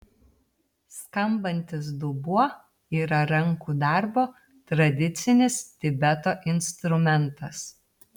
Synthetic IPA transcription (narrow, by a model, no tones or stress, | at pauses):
skɐmbɐnʲt̪ʲɪs̬d̪ʊbuɔ | iːɾɐɾɐŋkuːd̪ɑˑɾboː | t̪ɾɐd̪ʲɪt̪sʲɪnʲɪst̪ʲɪbʲɛt̪oːʔɪnʲst̪ɾʊmʲɛnt̪ɐs